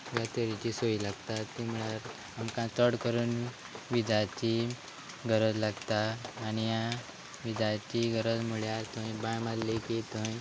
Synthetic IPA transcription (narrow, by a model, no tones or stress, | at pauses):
ɡat̪əɾit͡ɕisoilaɡt̪at̪ːim̤uɭaɾ | amkãt̪əɽkəɾuːn | ʋid͡zat͡ɕi | ɡʱəɾəd͡zlaɡt̪aːnija | ʋid͡zat͡ɕiɡʱəɾəd͡zmuɭjat̪ə̃jbãjmalleket̪ə̃j